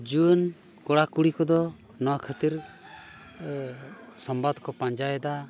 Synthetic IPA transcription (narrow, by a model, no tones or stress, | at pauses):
d͡ʒun | kɔɽakuɽikɔd̪ɔ | nɔwakʰət̪iɾ | sɔmbad̪kɔpãɲd͡ʒajd̪a